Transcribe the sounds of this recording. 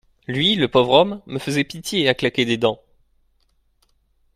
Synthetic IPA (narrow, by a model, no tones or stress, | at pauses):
lɥiləpɔvʁɔmːəfəzɛpit̪jeaklakʲed̪ed̪ɑ̃